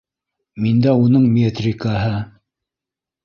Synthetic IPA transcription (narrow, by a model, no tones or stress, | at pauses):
mind̪æunɤɴmʲet̪rʲɪkaɦɤ